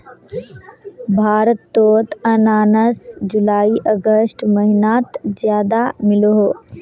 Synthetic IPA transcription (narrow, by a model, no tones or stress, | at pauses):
bʱaːɾət̪ːoːt̪ɐnaːnəsd͡ʒulaːiʔɐɡəsʈmɐɦɪnaːt̪d͡ʒjaːd̪amɪloɦoː